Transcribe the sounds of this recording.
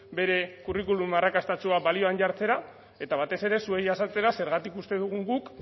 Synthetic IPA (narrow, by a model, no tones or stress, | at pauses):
be̞ɾe̞kurikulumarakast̪at͡ʃuaβalio̞anʝaɾt͡se̞ɾa | e̞t̪aβat̪e̞se̞ɾe̞sue̞jasat͡se̞ɾase̞ɾɣat̪ikust̪eðuɣ̞uŋɡuk